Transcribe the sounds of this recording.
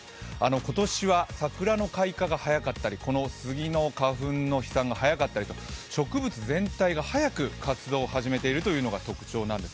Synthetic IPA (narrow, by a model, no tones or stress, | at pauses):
ano̞ko̞t̪o̞ɕiβasakɯ̟ɾano̞kaikaɡahajakat̪ːaɾʲiko̞no̞sɨɡʲino̞kaɸɯ̟̃nːo̞çi̥sãŋɡaɦajakat̪ːaɾʲit̪o̞ɕo̞kɯ̟bɯ̟t͡sɨzẽ̞nt̪aiɡahajakɯ̟kat͡sɨd̪o̞ːhaʑime̞t̪e̞iɾɯ̟t̪o̞jɯ̟ːno̞ɡat̪o̞kɯ̟̥t͡ɕo̞ːnãnd̪e̞s